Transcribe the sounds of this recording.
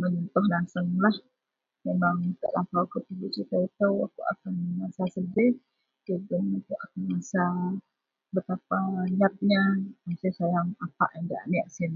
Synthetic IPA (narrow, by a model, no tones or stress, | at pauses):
məɲɔnt̪ʊhlaŋsəŋlah | memaŋt̪a̰ʔlampawkət̪iɡiʔt͡ʃit̪ait̪əwa̰kuʔa̰kanŋasasəbɪh | kəɡənakuʔakanŋasa | bət̪apajap̪̚ɲamasɪhsajaŋapa̰ʔjaŋdaanɛʔsin